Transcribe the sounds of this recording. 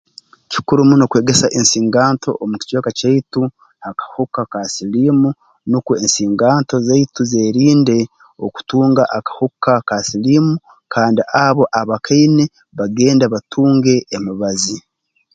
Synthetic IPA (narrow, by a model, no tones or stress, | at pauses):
ci̥kuɾumunokwe̞ːɡe̞saʔensiːŋɡaːnto̞̰ʔomuci̥t͡ʃwoːkacaitu | akḁhukakasilimu | nukuensiːŋɡaːnto̞zeituze̞ːɾiːnde̞ | o̰ku̥tuːŋɡaʔakḁhukːakasilimu | kʰaːndiʔaβo̞ʔaβakʰaine | βaɡe̞ːndaβatʰuːŋɡe̞ʔːmiβazi